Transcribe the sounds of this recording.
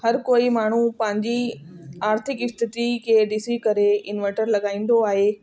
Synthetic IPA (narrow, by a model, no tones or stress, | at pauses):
hɐɾkoːimaːɳ̤upɐ̃ɦɪ̃ɲd͡ʑiaːɾt̪ʰɪkɪst̪ɪt̪ikʰeːɖisikɐɾeɪnʋɛ̃ʈəɾlɐɠaːĩːn̆d̪oaːɦeː